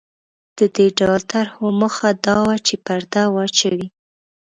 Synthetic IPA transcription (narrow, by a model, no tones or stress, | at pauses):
d̪̥əd̪eɖawlt̪aɾhoməxad̪ɑwat͡ʃepaɾd̪awɑt͡ʃawi